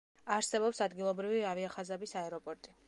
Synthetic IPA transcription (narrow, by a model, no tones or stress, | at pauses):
aɾsɛbɔpsad̪ɡilˠɔbɾiviaviaχazabisaɛɾɔpʼɔɾt̪ʼi